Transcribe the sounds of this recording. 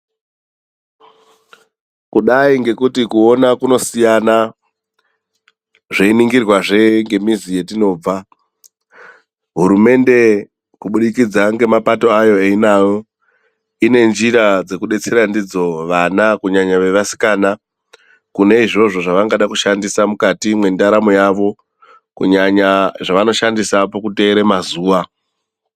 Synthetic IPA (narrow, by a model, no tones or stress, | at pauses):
kuɗaiŋɡe̞kutikuo̞nakuno̞sijana | ʐeiniŋɡirwaʐe̞ŋɡe̞mizije̞tino̞ːb͡va | ɦuɾume̞nde̞ | kuɓuɗikid͡zaŋɡe̞mapato̞ajo̞einajo̞ | ine̞nd͡ʒiɾad͡ze̞kuɗe̞t͡se̞ɾandid͡zo̞ʋanakuɲaɲaʋe̞ʋasi̥kaːna | kune̞iʐo̞ʐo̞ʐaʋaŋɡaɗakuʃandisamukatimwe̞ndaɾamojaʋo̞ | kṵɲaɲaʐaʋano̞ʃandisapokute̞ːɾemazuːʋa